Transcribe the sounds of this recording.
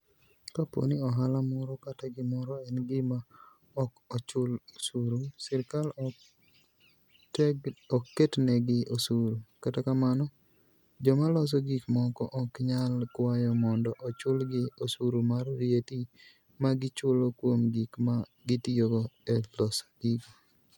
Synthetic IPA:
kapo̰niɔɦalamɔɾɔkataɡɪmɔɾɔɛnɡɪma | ɔkɔt͡ʃʊlosuɾusɪɾkal | ɔkːetnɛɡɪosuɾukatakamanɔ | d͡ʒɔmalɔs̬ɔɡikmɔkɔʔɔkɲalkwajɔmɔndɔʔɔt͡ʃʊlɡɪosuɾumarːjeti | maɡɪt͡ʃʊlokwomɡikma | ɡɪtioɡɔɛlɔsḁɡik

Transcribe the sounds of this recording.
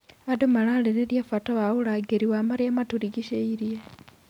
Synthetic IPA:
adomalaleɾeljafataβaulaɡeɾiwaːmaɾiamatuɾiɡiʃeiɾje

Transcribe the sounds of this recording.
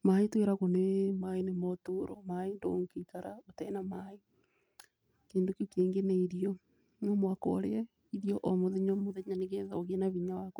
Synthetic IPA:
maitweɾaɣonemainemɔtuɾɔ̰maindo̰ŋkekaɾaotɛnamai | keːndokokeːŋɡeneiɾiɔ | momwakɔ̰ɾeɛ | iðiɔʔɔmoðeɲɔmoðeɲaneɣeðɔɣɛnaβiɲawak

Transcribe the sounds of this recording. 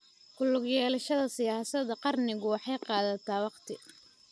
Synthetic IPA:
kʊlːʊɣjɛːlɐʃɐðɐsɪjaːsɐd̪ɐqɑrnɪɣʊwɑħɑjqɑːðɐt̪ʰaːwɑqt̪ʰɪ

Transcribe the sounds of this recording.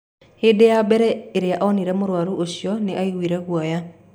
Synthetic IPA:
hedeabɛɾɛeɾeaʔɔniɾɛmoɾwaɾuʔoɕjɔneʔaiɣwiɾɛɣwɔja

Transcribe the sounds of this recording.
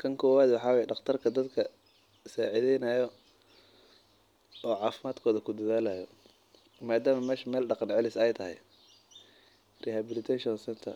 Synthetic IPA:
kʰɐŋkʰɔːwaːd̪wɑħɑːwaːjɛɖɑχt̪ʰɐrkʰɐd̪ɐd̪kʰɐ | saːʕɪðɛjnɐːjɔ | ɔːʕɑːfɪmaːd̪kʰɔːðɐkʰʊd̪ɐðaːlaːjɔ | maːd̪aːmɐmɛːʃmɛːlɖɑqɑnʕɛlɪsɛjt̪ʰɐɦɛ̰j | rihabɪlɪt̪ʰɛʃɔnsɛnt̪ʰɐ̰

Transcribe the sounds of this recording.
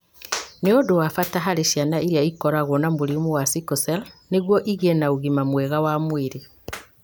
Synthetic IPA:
neodowafataɦaɾeʃianaʔiɾiaikɔɾaɣonamoɾimowasikɔsɛlneɣwɔʔiɣenauɣimamwɛɣawamwiɾe

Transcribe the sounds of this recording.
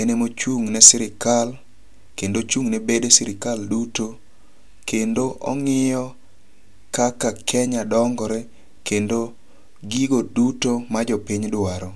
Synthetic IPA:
enemot͡ʃuŋnɛsɪɾɪkal | kendot͡ʃuŋnɛbedesɪɾɪkalduto | kendoʔɔ̰ŋɪjɔ | kakakʰɛɲadɔŋɡɔɾɛ | kendo | ɡiɡodutomad͡ʒɔpɪɲdʊaɾɔ

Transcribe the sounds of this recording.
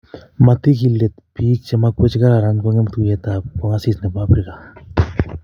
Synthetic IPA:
mat̪ikilet̪pit͡ʃemakwet͡ʃkaɾaɾankʷaŋemt̪ujet̪akʷaŋasisnepapɾika

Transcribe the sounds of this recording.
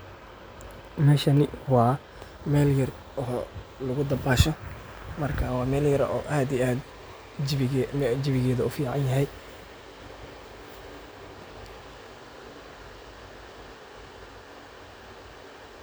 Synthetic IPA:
mɛːʃɐnɪwɑː | mɛːljɐr | ɔːlʊɣʊd̪ɐbaːʃɔ | mɐrkʰawɑːmɛːljɐɾʔɔ̰ːʔaːd̪iaːd̪ | mɛd͡ʒɪβɪɣɛːðɐʊfiːʕɑnjɐɦɛj

